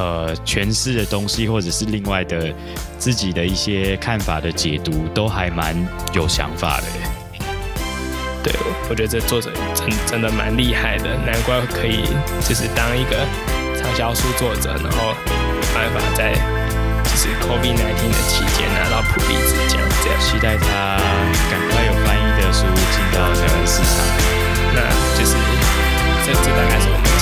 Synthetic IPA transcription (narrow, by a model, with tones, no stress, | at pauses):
ə˨˩t͡ɕʰɥɛ˧˦nʂɻ̩˥˩d̪ə˩t̪o˦ŋɕi˦xwɔ˥˩ʈ͡ʂə˨˩ʂɻ̩˥˧li˥˧ŋwa˥˩ɪd̪ə˩ | t͡sɹ̩˥˩t͡ɕi˨˩d̪ə˩i˥˩ɕjɛ˦˥kʰa˥˩nfa̰˨˩d̪ə˩t͡ɕjɛ˨˩t̪u˧˦t̪o˥ʊxa˧˥ɪma˧˦njo˨˩ʊɕjɑ̰˧˥ŋfa̰˨˩d̪ə̰˦˩ | t̪wḛ˥˩ɪwɔ˨˩t͡ɕɥɛ˧˥d̪ə˧ʈ͡ʂə˥˧t͡swɔ˥˨ʈ͡ʂɤ̰˨˩ʈ͡ʂə˥ŋʈ͡ʂə˥ŋd̪ə˨ma̰˧˦nli˥˧ha˥˩ɪd̪ə̰˩na˧˦nkwa˥kʰə˧˥ḭ˨˩t͡ɕjo˥˧ʊʂ̬ɻ̩˥˧t̪ɑ˥ŋi˧˥ɡə˨ | t͡sʰɑ˥ŋɕjɑ˥ʊʂu˥t͡swɔ˥˩ʈ͡ʂɤ̰˨˩˦na̰˧˥ŋxo˥˩ʊ | jo˨˩ʊba˥˧nfa̰˨˩t͡sa˥˧ɪ | t͡ɕjo˥˧ʊʂɻ̩˥˧kʰo˥fi˥˩t̚na˧˥ɪt̪ʰi˧˥nd̪ə̰˨t͡ɕʰḭ˧˥t͡ɕjɛ̰˥nna̰˧˥t̪ɑ˥˩ʊpʰṵ˨˩lḭ˥˩t͡sɹ̩˥˩t͡ɕa̰˥˩˦ŋ˥˩t͡ɕʰi˧˥t̪a˥˩ɪt̪ʰa˦˥ | ka˨˩nkʰwa˥˩ɪjo˨˩ʊfa˥ni˥˩d̪ə˨ʂu˥˧t͡ɕi˨˩nt̪ɑ˥˩ʊna˥ə˧s̩˥˧˩ʂa̰˨˩˦ŋ | na̰˥˧ | t͡ɕjo˥˧ʊʂɻ̩˥˩ | sɔ˥˨˩t͡sə˥˧t̪a˥˧ka˥ɪʂɨ˥˩o˨˩ma˥